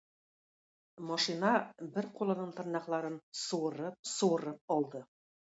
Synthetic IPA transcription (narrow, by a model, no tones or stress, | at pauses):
mɒʃinɑbɘɾqulˠɤ̆nɤɴt̪ɤ̆ɾnɑqlˠɑɾɤnsŭwɤ̆ɾɤp̚sŭwɤ̆ɾɤp̚ɒlˠd̪ɤ